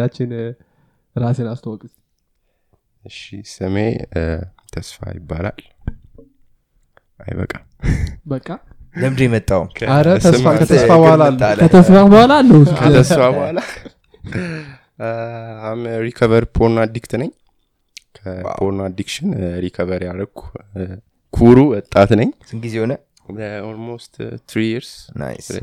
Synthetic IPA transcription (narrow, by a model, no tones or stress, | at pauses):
at͡ʃːɪn | ɾasenast̪ʰəwɔkʼɨs | ɨʃisɨme | t̪ʰəsfa̰jɪ̰bːa̰la̰l | ʔa̰jbə̰kʼːa | bəkʼːa | d̪əmd̪jmət̪ʼːawkʰaɾət̪ʰəakət̪ʰəsfabəhalalːəət̪ʰəsfabəhalalːəwkʰət̪ʰəsfabəhala | amɾikʰəβəɾpʰoɾnad̪ikt̪nəɲ | kʰəpʰoɾnad̪ikʃɪnɾikʰəβəɾjaɾəɡu | kʰuɾuwɔt̪ʼːat̪nəɲː | ɨŋɡizehonə | dəolmost̪t̪ɾijiɾsna̰s